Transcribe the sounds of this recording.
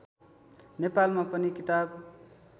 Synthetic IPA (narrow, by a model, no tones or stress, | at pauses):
nepalmapʌnikit̪ab